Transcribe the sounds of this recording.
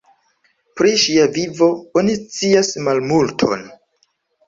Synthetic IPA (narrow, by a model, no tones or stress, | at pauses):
pɾiʃiavivo̞o̞nist͡siasmalmultʰo̞̰n